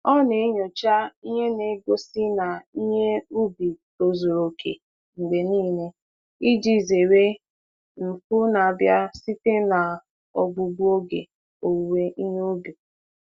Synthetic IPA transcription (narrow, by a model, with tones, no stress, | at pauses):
ɔ˦ne˨˦ɲo˨t͡ʃa˦i˦ɲe˦ne˨˦ɡo˦si˦na˨i˦ɲe˦u˦bi˨ | o˨zo˨ɾo˨kʰḛ˨ | ŋ͡m̩˨ɡ͡be˨niː˦˨ne˦ | i˦d͡ʒi˨ze˨we˦ | m̩˨fʊ˦na˨a˨bja˦si˦te˦na˨ | ɔ˨ɡ͡bu˨ɡ͡bu˦o˦ɡḛ˨ | o˨we˦ʔi˦ɲe˦u˦bi˨